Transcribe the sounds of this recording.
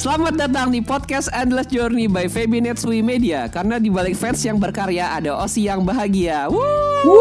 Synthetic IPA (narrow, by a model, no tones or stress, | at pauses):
səlamat̪̚dat̪aŋdipɔt̪̚kɛsɛnd̪lɛsd͡ʒɔrnibajfebinɛt̪swimediakaɾənadibalɪk̚fɛnsjaŋbərkaɾeaʔadaʔosijaŋbaɦaɡiawu